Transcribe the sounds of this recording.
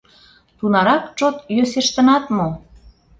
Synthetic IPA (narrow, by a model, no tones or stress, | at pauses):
t̪unɑɾɑkt͡ʃot̪jøseʃt̪ə̆nɑt̪mo